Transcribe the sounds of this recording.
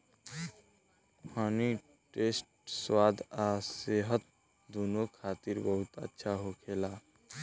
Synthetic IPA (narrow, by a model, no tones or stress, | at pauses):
pʰani | ʈesʈswaːd̪ʱaseɦət̪̚ | d̪uːnokʰaːt̪iɾbəɦʊt̪ə̰tːʃʰaɦokʰela